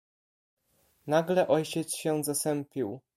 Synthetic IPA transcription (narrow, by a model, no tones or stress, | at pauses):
naɡlɛʔɔjt͡ɕɛt̪sɕɛ̃zasɛmpʲiw